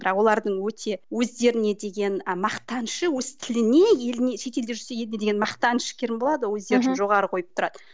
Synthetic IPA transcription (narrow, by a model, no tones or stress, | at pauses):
bəɾɑqwo̞lˠɑɾd̪əɴwɵt̪ʰe̞wɵzd̪e̞ɾɪne̞d̪e̞ɡʲe̞nmɑqt̪ɑnʃəwɵz̥t̪ʰɪlɪne̞je̞lɪneʃe̞t̪e̞ld̪eʒʏɾsejelɪne̞d̪eenmɑqt̪ɑnʃɪ̥kʲʰeɾɪnbo̞lˠɑd̪əwɵzd̪e̞ɾd̪ɪnʒo̞ʁɑɾəqʰo̞jəpt̪ʰʊɾɑd̪̥ə